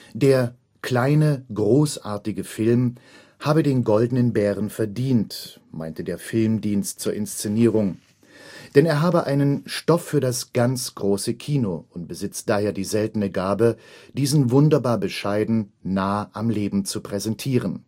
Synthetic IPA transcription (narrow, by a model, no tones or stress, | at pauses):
d̥eːɐ | kl̥aɪnəɡʁoːsʔaːɐtɪɡəfɪlm | haːbədeːnɡɔldn̩ənbɛːʁənfɛɐdiːnt | ma̰ɪntədeːɐfɪlmdiːnstt͡suːɐɪnst͡seniːʁ̞ʊŋ | d̥ɛneːɐɦaːbəʔaɪnənʃtɔfːyːɐdasɡ̥ant͡sɡ̥ʁoːsəkʰiːnoʔʊnt̚b̥əzɪt͡std̥aːheːɐdiːzɛltənəɡaːbəd̥iːzn̩vʊndɐbaːɐbəʃaɪdn̩ːaːəʔamleːbm̩t͡supʁ̥ɛzɛntʰiːʁ̞ən